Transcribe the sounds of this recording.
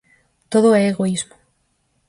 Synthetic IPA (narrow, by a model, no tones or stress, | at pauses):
t̪oðoɛeɣoizmo